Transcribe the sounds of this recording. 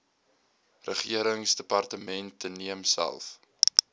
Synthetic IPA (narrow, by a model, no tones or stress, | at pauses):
rəχiəɾəŋsdəpɑrtəmɛntːəniəmsæ̰lˠf